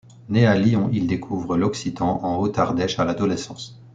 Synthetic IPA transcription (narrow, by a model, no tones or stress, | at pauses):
nealiɔ̃ʔild̪ekʰuvʁəlɔksit̪ɑ̃ʔɑ̃ot̪aʁd̪ɛʃalad̪ɔlɛsɑ̃s